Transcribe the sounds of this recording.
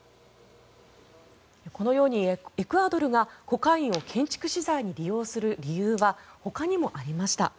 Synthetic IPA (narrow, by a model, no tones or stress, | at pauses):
eko̞no̞jo̞ːɲ̟iekɯ̟ad̪o̞ɾɯ̟ɡako̞kãɰ̃ĩɰ̃o̞kʰẽ̞ɲ̟t͡ɕi̥kɯ̟ɕizaiɲ̟iɾʲijo̞ːsɨɾɯ̟ɾʲijɯːβaho̞kaɲ̟imo̞ʔaɾʲimaɕi̥t̪a̰